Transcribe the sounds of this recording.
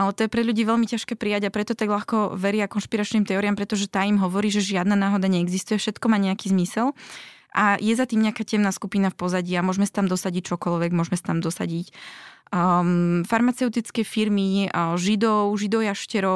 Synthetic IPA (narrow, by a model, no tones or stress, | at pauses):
ʔalɛt̪ɔjɛpɾɛʎuɟiːʋɛʎmicaʃkɛːpɾijaɟapɾɛt̪ɔt̪aɡʎaxkɔʋɛɾɪakɔnʃpiɾat͡ʃniːmt̪ɛɔːɾiampɾɛt̪ɔʒɛt̪aːimɦɔʋɔɾiːʒɛʒɪad̪naːnaːɦɔd̪aɲɛɛɡzist̪ujɛfʃɛt̪kɔmaːɲɛakiːzmisɛlʔajɛzat̪iːmɲɛakaːcɛmnaːskupinafpɔzaɟiːamʊɔʒmɛsḁt̪amd̪ɔsaɟic̚t͡ʃɔkɔlʋɛɡmʊɔʒmɛsḁt̪amd̪ɔsa̰ɟic | faɾmat͡sɛʊt̪it͡skɛfiɾmiʒid̪ɔʊʒid̪ɔʊjaʃcɛɾɔ